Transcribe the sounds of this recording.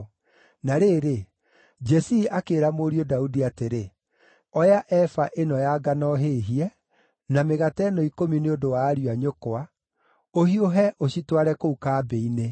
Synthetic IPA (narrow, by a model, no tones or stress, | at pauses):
naɾeːɾe | d͡ʒɛsiʔakeːɾamoɾiodaudiateɾe | ɔjaʔɛfaʔenɔjaɡanɔɦeɦiɛ | nameɣatɛnɔikomineondowaːɾiwaɲokoa | ohioɦɛʔoɕitwaɾɛkoukaːbeine